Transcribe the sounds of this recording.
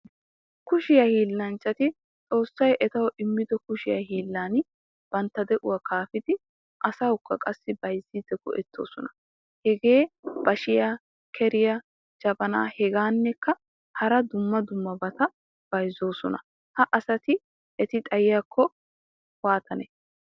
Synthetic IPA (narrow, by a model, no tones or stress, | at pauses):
kʊʃɪjɐhiːlːɐnt͡ʃːɐt̪ɪ | t͡sʼo̞ːsːɐjʔɛt̪ɐwɔʔɪmːɪd̪ɔkʊʃɪjɐɦiːlːaːn | b̥ɐnt̪ːɐd̪ɛʔʊwɐkaːfɪd̪ɪ | ʔɐsɐwʊkːɐkʼɐsːɪbɐjzːiːd̪ɛɡɔ̰ʔɛt̪ʰːo̞̰ːsɔnɐ̥ | hɛɡe̞ːb̥ɐʃɪja | kʰɛɾɪjɐ | d͡ʒɐbɐna̰ːhɛɡaːnːɛkːɐ | hɐɾɐd̪ʊmːɐd̪ʊmːɐbɐt̪ɐ | b̥ɐjzːo̞ːsɔnɐ̰ | hɐʔɐsɐt̪ɪ | ʔɛt̪ɪt̪ʼɐjɪjakʰːɔ | waːt̪ʰɐnɛ